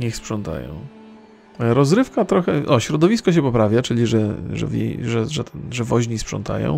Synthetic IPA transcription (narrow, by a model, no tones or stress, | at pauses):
ɲɛxspʂɔnt̪a̰jɔ̰̃w̃ | ɾɔzɾɘfkat̪ɾɔxɛʔɔɕɾɔd̪ɔvʲiskɔɕ̬ɛpɔpɾavʲjat͡ʂɘlʲiʐɛʐɛ̰vjḛjʐɛʐɛʐɛvɔʑɲispʂɔ̰nt̪a̰jɔ̰̃w̃